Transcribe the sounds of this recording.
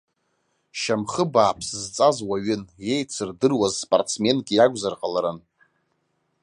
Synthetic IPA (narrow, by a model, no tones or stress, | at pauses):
ʃamχəbaːpʰszt͡sʼazwaɥɪnje̞jt͡sʰɨrdɨrwazspʼartt͡sme̞nɡʲijaɡʷʼzarqʼalaɾan